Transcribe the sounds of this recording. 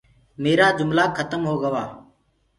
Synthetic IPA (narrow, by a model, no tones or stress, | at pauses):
meːɾaːd͡ʒʊmlaːkʰːət̪əmɦoːɡəʋaː